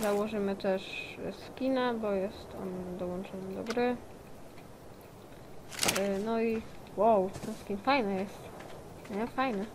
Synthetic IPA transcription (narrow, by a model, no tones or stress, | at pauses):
zawɔʐɘmɘt̪ɛʂskʲinabɔjɛst̪ɔ̰nd̪ɔwɔ̃nt͡ʂɔnɛd̪ɔɡɾɘ | nɔi | wawt̪ɔskʲinfajnɛjɛst̪ | ɲɛfajnɛ